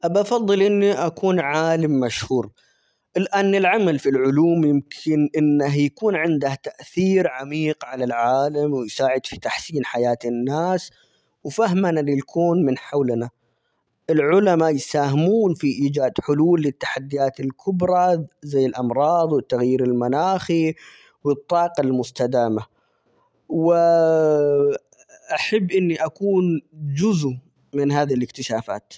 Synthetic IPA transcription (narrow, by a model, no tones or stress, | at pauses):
ʔabʔafɑðˤːɨlʔɪnːiʔakuːnʕaːlɪmːaʃhuːɾ | ʔɪlʔaːnːɪlʕamalfilʕʊluːmjɪmkʰɪnʔɪnːaɦjakuːnʕɪnd̪aht̪aʔθiːɾʕamiːqʕalalʕaːlamwɪjsaːʕɪd̪fi̥t̪aħsiːnħajaːt̪ɪnːaːs | wfaɦmanalijakʰuːnmɪnħawlna | ʔɪlʕʊlamajsaːhɪmuːnfiʔiːd͡ʒaːd̪ħʊluːlːɪt̪ːḁħad̪ːɪjaːt̪ɪlkʰʊbɾˤɑzajːɪlʔɑmɾˤɑːd̪ˤwɪt̪ːaɣjiːɾɪlmanaːxi | wɪt̪ˤːɑːqɑlmʊst̪ad̪aːma | wɪ | ʔaħabːʔɪnːiʔakuːnd͡ʒʊzu | mɪnɦaːðilɪkt̪ɪʃaːfa̰ːt̪